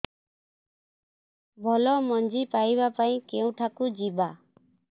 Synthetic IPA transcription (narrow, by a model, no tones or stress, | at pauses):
bʱɔlɔmɔnd͡ʒipajβapaĩkeũʈʰakud͡ʒiba